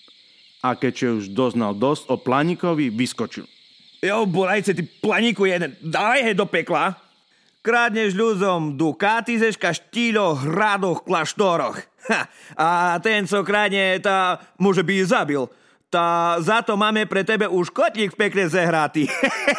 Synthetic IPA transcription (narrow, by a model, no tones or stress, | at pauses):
akɛcʃɛuʒd̪ɔzna̰ld̪ɔztɔplaɲikɔʋiʋiskɔt͡ʃḭl | jɔbɔlajt͡sɛt̪iplaɲikujɛd̪ɛd̪alɛjɦɛd̪ɔpɛkla | kɾad̪ɲɛʒʎud͡zɔmd̪ukat̪izɛʃkaʃt̪iːʎɔɦɾad̪ɔxklaʃt̪ɔɾɔx | at̪ɛnt͡sɔkɾaːd̪ɲɛt̪amɔʒɛbizabil | t̪azat̪ɔmaːmɛpɾɛt̪ɛbɛʔuʃkɔt̪ʎikfpɛkɲɛzɛɦɾat̪i